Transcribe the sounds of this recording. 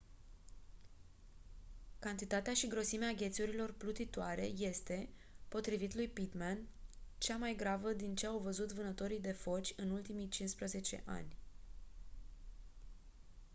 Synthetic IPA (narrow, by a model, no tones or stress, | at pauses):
kant̪it̪at̪eaʃiɡɾo̞simeaɡʲe̞t̪suɾilo̞rplut̪it̪oaɾe̞̰je̞st̪e̞po̞t̪ɾivit̪lujpit̪man | t͡ʃamajɡɾavəd̪int͡ʃe̞awvəzut̪vɨnət̪o̞ɾijd̪e̞fo̞t͡ʃʲɨnult̪imijt͡ʃinspɾəze̞t͡ʃe̞̰ʔa̰nʲ